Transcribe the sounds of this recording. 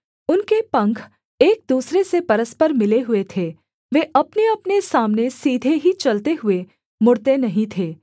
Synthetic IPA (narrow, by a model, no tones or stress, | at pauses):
ʊnkepɐ̃ŋkʰ | eːk̚d̪uːsɾesepɐɾəspəɾmɪleɦʊet̪ʰeː | ʋeːʔɐpneɐpnesaːmnesiːd̪ʱeɦit͡ʃɐlt̪eɦʊe | mʊɽt̪enɐɦĩt̪ʰeː